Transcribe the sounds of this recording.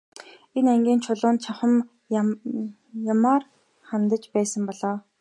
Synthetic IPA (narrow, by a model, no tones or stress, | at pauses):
enæŋɡʲiːnt͡ɕʰʊɮʊːnt͡ɕʰaχə̆m | jamaːr | χant̪ə̆t͡ɕpæːsə̆mpɔɮɔː